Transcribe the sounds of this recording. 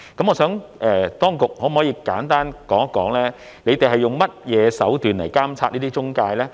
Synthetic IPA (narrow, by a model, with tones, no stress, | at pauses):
kɐ˨˥mŋɔː˨˧sœː˨˥ŋʔɛː˨t̪ɔː˥ŋkʊ˨k̚hɔː˨˥m˨˩hɔː˨˥jiː˨˧kaː˨˥nt̪aː˥nkɔː˨˥ŋkːɔː˨˥ŋlɛː˥ | ne˨˧jt̪e˨jɦɐ˨jʊ˨ŋmɐ˥t̚jɛː˨˧sɐ˨˥wt̪yː˨nlɐ˨˩jkaː˥mt͡sʰaː˧t̚niː˥iː˥t͡ʃʊ˥ŋkaː˧jlɛː˥